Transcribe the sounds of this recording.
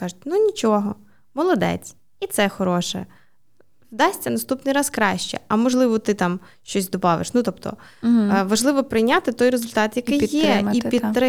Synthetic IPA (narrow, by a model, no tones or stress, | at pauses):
kɑʒʊtʲnunʲit͡ʃɔɦɔ | mɔlˠɔd̪ɛ̰t͡sʲ | it̪sɛxɔɾɔʃɛ̰ | wd̪ɑsʲtʲɐnɐst̪upnɪjɾɑskɾɑʃt͡ʃɛ̰ɐmɔʒlˠɪʋɔt̪ɪt̪ɑm | ʃt͡ʃɔsʲd̪ɔbɑʋɪ̰ʃnut̪ɔp̚t̪ɔ̰ | ʋɐʒlˠɪʋɔpɾɪjnʲat̪ɪt̪ɔjɾezʊlʲt̪ɑt̪jɐkɪjjɛipʲid̪t̪ɾɪ